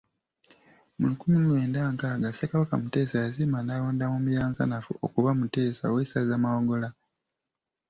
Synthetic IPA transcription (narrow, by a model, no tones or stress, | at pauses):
mulukumilweːndaːŋkaːɡasekaβakamute̞ːsajazimanaloːndamumujaːnza̰nafṵokuβamute̞ːsa̰wesazamawoɡo̞la